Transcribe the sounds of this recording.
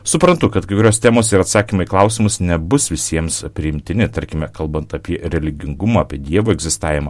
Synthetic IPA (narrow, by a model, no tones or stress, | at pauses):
sʊpɾɐnt̪ʊkɐt̪kɐɪkʊɾʲoːst̪ʲæːmoːsɪɾɐt̪sɑːkʲimɐiklˠɐʊsʲɪmʊsnʲɛbʊsʋʲɪsʲiɛmspʲɾʲɪɪmʲt̪ʲɪnʲɪt̪ɐɾʲkʲɪmʲɛkɐlˠbɐnt̪ɑpʲiɛɾʲɛlʲɪɡʲɪŋɡʊmɐːpʲiɛd̪ʲiɛʋoːɛɡzʲɪst̪ɑːʋʲɪmɐ